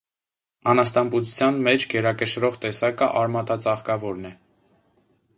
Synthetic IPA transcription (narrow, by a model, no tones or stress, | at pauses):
ɑnɑst̪ɑmput͡sʰut͡sʰjɑnmɛt͡ʃʰɡɛɾɑkəʃɾɔʁt̪ɛsɑkəʔɑɾmɑt̪ɑt͡sɑχkɑvɔɾnɛ